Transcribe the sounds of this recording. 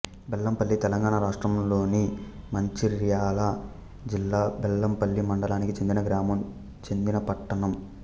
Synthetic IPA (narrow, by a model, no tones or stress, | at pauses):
bɛlːɐmpɐlːit̪ɛlɐŋɡaːɳaɾaːʂʈɾɐmlo̞ːnimɐɲt͡ʃiɾjaːlɐ | d͡ʒilːaːbɛlːɐmpɐlːimɐɳɖɐlaːnikit͡ʃe̞nd̪inɐɡɾaːmɐm | t͡ʃe̞nd̪inɐpɐʈːɐɳɐm